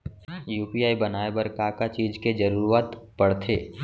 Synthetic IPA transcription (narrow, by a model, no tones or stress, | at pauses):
juːpijaːibɐnaːebɐɾkaːkat͡ʃiːd͡ʒked͡ʒɐɾuːɾaːt̪pɐɽt̪ʰḛː